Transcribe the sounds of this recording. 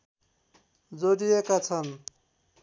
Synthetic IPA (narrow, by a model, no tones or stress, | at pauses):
d͡zoɽijekat͡sʰʌn